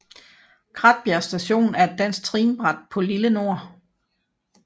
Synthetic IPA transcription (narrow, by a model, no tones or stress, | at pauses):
kʰʁɑ̈d̥̚b̥jæɐsd̥æɕo̝̰ːnæɐed̥ːæn̰s̚t͡sʰʁiːnb̥ʁɑ̈d̥̚pʰɒ̽liləno̝ɐ̰